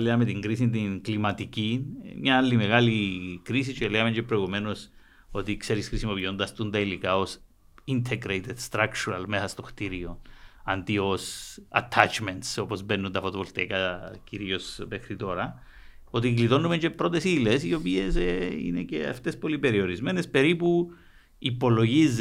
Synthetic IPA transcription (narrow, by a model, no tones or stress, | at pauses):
leamet̪iŋɡɾisint̪iŋklimɐt̪icimɲaalːimeɣalikɾis̬it͡ʃeleɣameɲt͡ʃepɾoeɣume̞no̞s | o̞t̪ikse̞ɾisxɾisimo̞piond̪ɐst̪unt̪ailikaos | int̪ʰeɡɾejt̪ed̪st̪ɾakt͡ʃuɾalmesast̪o̞xt̪iɾioant̪iosɐ̰t̪ʰːat͡ʃment̪so̞po̞zbe̞nːunt̪ɐfo̞t̪ovolt̪ekɐciɾio̞sme̞xɾit̪o̞ɾɐ | o̞t̪̬iɣlit̪o̞nume̞ɲt͡ʃe̞pːɾo̞t̪e̞silesio̞pie̞seḭnḛce̞̰a̰ft̪e̞spo̞lipe̞ɾio̞ɾizme̞nespe̞ɾipu | ipo̞lo̞ʝiz